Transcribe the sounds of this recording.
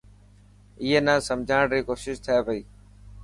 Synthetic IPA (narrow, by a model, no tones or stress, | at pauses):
ɪːeːnãːsəmd͡ʒʱaːɽɾiːkoːsɪʃt̪ʰəeːpəiː